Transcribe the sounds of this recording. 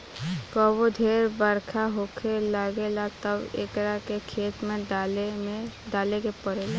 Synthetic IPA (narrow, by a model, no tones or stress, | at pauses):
kəbod̪ʱeːɾbəɾkʰaɦoːkʰelaɡelat̪əbḛkɾakekʰeːt̪mẽl | ɖaːlekepəɾeːla